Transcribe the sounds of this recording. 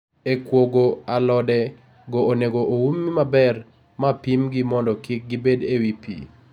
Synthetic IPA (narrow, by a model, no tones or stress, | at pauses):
ekwoɡoalɔdɛ | ɡooneɡoʔoumːimabɛr | mapimɡimɔndɔkik̚ɡɪbedewipḭ